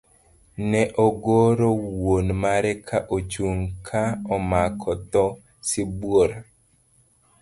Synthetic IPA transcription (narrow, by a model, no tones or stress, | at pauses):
nɛʔɔɡoɾɔwonmaɾɛkʰaʔot͡ʃuŋkʰaɔmakʰɔt̪ɔ | sɪbwoɾa